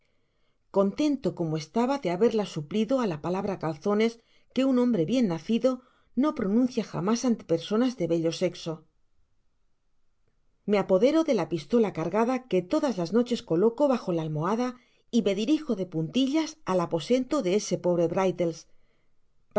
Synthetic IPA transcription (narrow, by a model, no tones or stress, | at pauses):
ko̞nt̪e̞nt̪o̞ko̞moe̞st̪aβaðeaβe̞ɾlasupliðo̞alapalaβɾakalθo̞ne̞s | ke̞unõmbɾe̞βje̞nːaθiðo̞ | no̞pɾo̞nũnθjaxa̰masant̪e̥pe̞ɾso̞nazðe̞βe̞ʎo̞se̞kso̞ | me̞apo̞ðe̞ɾo̞ðe̞lapist̪o̞lakaɾɣaðake̞t̪o̞ðazlazno̞t͡ʃe̞sko̞lo̞ko̞βaxo̞laːlmo̞aða | ime̞ðiɾixo̞ðe̞punt̪iʎasalapo̞se̞nt̪o̞ðe̞ese̞po̞βɾe̞βɾajt̪e̞ls